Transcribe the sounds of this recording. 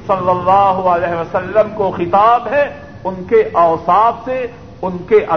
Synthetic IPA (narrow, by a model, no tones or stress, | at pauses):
sɐlːəlːaːɦʊəlɛːɦʋɐsɐlːəmkoxɪt̪aːbɦɛ | ʊnkeʔaːsaːfse | ʊnkeʔɐ